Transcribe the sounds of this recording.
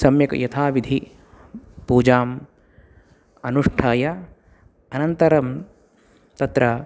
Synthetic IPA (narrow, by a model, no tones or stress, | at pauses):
sɐmjɐkjɐt̪ʰaːʋid̪ʱi | puːd͡ʒaːm | ɐnuʂʈʰaːjɐ | ɐnɐnt̪ɐɾɐm | t̪ɐt̪ɾɐ